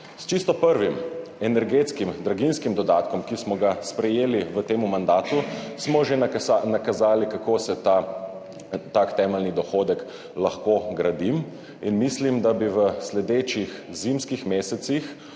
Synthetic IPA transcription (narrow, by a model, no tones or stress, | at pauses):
st͡ʃist̪ɔpəɾʋimɛnɛɾɡet̪skimd̪ɾaɡinskimd̪ɔd̪aːt̪kɔmkismɔɡaspɾɛjeːliʋət̪eːmumand̪aːt̪usmɔʒenakazaːlikakoːsɛt̪a | t̪aːkt̪ɛːmɛlnid̪ɔxoːd̪ɛk | laxkoɡɾad̪im | inmislimd̪abiʋəslɛd̪eːt͡ʃixzimskixmeːsɛt̪six